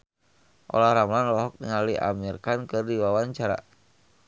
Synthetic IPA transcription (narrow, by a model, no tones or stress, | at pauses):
ʔo̰lahɾamlanlɔɦɔk̚niŋaliʔa̰mirkankɨrdiwawaɲt͡ʃaɾa̰